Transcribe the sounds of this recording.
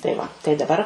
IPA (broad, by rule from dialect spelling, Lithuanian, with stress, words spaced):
tɐɪ ˈʋɐ tɐɪ dɐˈbɐr